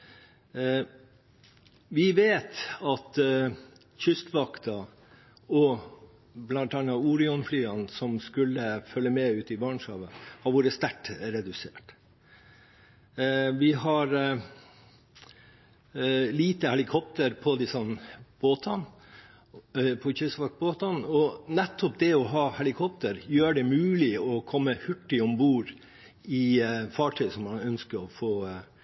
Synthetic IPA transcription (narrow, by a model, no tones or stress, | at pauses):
ʋɪʋeːt̪ɑt̪ | çʏst̪ʋɑkt̪ɑ | ɔ | blɑnt̪ɑnɑuːɾɪɔnflyːɑnsɔmskʉlːəfœlːəmɛʉːt̪ɪbɑɳʂɑːʋəhɑɾʋoːɾəst̪æʈɾɛd̪ʉsḛːʈ | ʋɪhɑɾ | liːt̪əhɛlɪkʰɔp̚t̪əɾpʰɔd̪ɪsɔnb̥oːt̪ʰɑn | pʰɔçœsʋɑk̚t̪boːt̪ɑnɔnɛt̪ʰːɔpd̪ɛɔɦɑːhɛlɪkʰɔpt̪əɾjøːɖɛmʉːlɪɔkʰɔmːəhʉʈːɪɔmbuːɾ | ɪfɑːʈʰœʏsɔmːɑnœnskəɾɔfoː